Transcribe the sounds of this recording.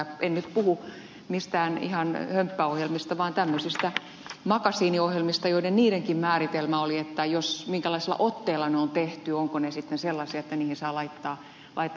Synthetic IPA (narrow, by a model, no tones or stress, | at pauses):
ennyt̪puhu | mist̪æːnḭhɑnhømpːæohjelmist̪ɑʋɑːnt̪æmːøsist̪æ | mɑkɑsiːniohjelmist̪ɑjoidenniːɾeŋkimmæːrit̪elmæoliet̪ːæjosmiŋkælɑiselːɑ̰ʔot̪ːeːlˑːɑneont̪eht̪yoŋkonesit̪ːenselːɑsiɑet̪ːæniːhinsɑːlɑit̪ːɑː | lʔɑit̪ːˑ